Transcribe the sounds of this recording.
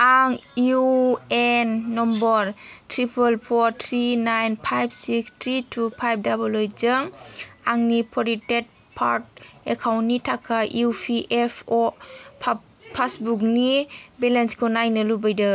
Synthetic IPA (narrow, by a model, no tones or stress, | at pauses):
aŋjuenːɔmbɔɾtʰɾipʰəlpʰɔɾtʰɾinajnpʰajb̚sikstʰɾitʰupʰajp̚ʰdabulɔjd͡ʒɯŋaŋnipʰɔɾitet̚ | pʰaɾt̚ekʰawnnːitʰakʰaʔjupʰiʔepʰɔ | pʰasbuk̚nibɛlenskʰɯnajnɯlubajdɯ